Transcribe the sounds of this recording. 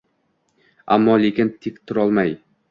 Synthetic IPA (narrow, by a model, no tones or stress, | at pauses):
a̰mːɒlekʲɪnt̪ʰikt̪ʰʊɾɒlˠmaj